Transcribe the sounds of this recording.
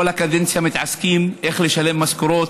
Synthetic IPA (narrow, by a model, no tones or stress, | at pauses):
ælækæd̪ensjæmɪt̪ʕaskiːmʔæxleʃæleːmːæskuɾoːt̪